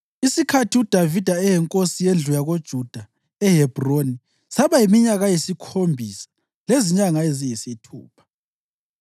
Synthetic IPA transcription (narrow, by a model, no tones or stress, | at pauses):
isikʰatʰiud̥ʱavid̥ʱaɛjɛŋkʼosijend͡ɮʱujaɣod̥ʒ̥ʱud̥ʱa | ɛɦɛb̥ʱroni | saβajimiɲaɣajisikʰombʱisḁ | leziɲaŋaezijisitʰṵːpʰḁ